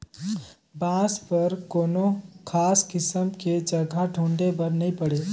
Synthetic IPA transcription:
bãspəɾkoːnokʰaːskɪsəmked͡ʒəɡʱaɖʱũɳɖebəɾnəĩpəɽe

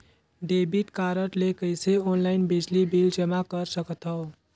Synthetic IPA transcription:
ɖebiʈkaɾəʈlekəjseonlaɪnbid͡ʒlibild͡ʒəmakəɾsəkət̪ɦəʊ

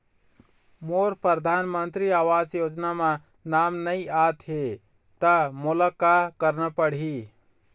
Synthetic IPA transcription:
moːɾpɾəɾd̪ʱaːnmə̃nt̪ɾiaːʋaːzjoːd͡ʒnamã | naːmnəĩaːt̪ɦe | t̪amʊlakakəɾnapəɽ̤iː

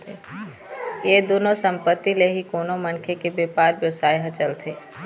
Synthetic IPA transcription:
e | jed̪oːnosə̃mpət̪ːileɦikoːnomənkʰekebeːpaːɾbjəʋsaːjɦət͡ʃəlt̪ʰeː

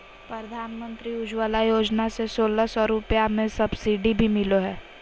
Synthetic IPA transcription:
pɾəd̪ʱaːnmə̃nt̪ɾiʊd͡ʒʋalajoːd͡ʒnasesoːlasɔɾʊpjamẽsɐbsiːɖibʱimɪloɦɛː

